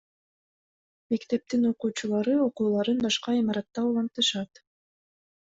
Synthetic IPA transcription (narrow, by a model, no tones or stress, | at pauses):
me̞kt̪e̞p̚t̪ino̞quːt͡ʃulˠɑɾɯo̞quːlˠɑɾɯnbɑʃqɑimɑɾɑt̪ːɑulˠɑnt̪ɯʃɑt̪